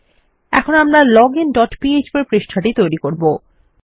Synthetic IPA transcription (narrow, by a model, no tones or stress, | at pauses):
ɛ̰kʰonamɾalɔɡenɖɔʈpied͡ʑpaɾpɾeʃʈʰaʈit̪ojɾikoɾbo